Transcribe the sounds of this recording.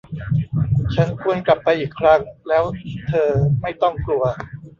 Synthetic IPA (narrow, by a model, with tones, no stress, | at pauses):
t͡ɕʰa˦˥nkʰu˧ənkla˨˩pːa˧jʔiː˨˩kʰɾa˦˥ŋlɛː˦˥wt̪ʰɤː˧ma˥˩jt̪ɔ˥˩ŋklu˧ɐ